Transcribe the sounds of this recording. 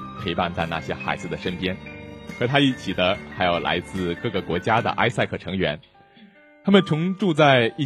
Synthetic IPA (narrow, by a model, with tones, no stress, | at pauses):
pʰɤ˧˥˧pa˥˧nt͡sa˥˧na̰˥˩ɕjɛ˥xa̰˧˥ɪd͡zɹ̩˧˩d̪ə˩ʂə˥npjɛ˥nxɤ˧˥t̪ʰa˥i˥˩t͡ɕʰi˨˩d̪ə˦xa˧˥ɪjo˨˩ʊla̰˧˥ɪt͡sɹ̩˥˧kɤ˥˩ɡə˩kwɔ˧˥t͡ɕja˥d̪ə̰˨ʔa̰˥ɪsa˥˧ɪkʰɤ˥˩ʈ͡ʂʰɤ˧˥ŋɥɛ̰˧˥n | t̪ʰa˥mə˨nt͡sʰʊ˧˥ŋʈ͡ʂu˥˧t͡sa˥˧ɪi˥˩